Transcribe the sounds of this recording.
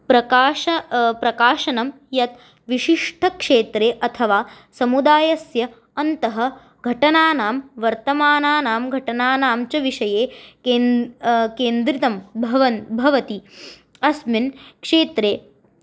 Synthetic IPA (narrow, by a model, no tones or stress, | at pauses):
pɾɐkaːʃɐpɾɐkaːʃɐnɐm | jɐt̪ | ʋiʃiʂʈʰɐkʂeːt̪ɾeːʔɐt̪ʰɐʋaː | sɐmud̪aːjɐsjɐ | ɐnt̪ɐɦɐ̆ | ɡʱɐʈɐnaːnaːmʋɐɾt̪ɐmaːnaːnaːmɡʱɐʈɐnaːnaːmt͡ʃɐʋiʂɐjeːkeːnkeːnd̪ɾit̪ɐmbʱɐʋɐnbʱɐʋɐt̪i | ɐsminkʂeːt̪ɾeː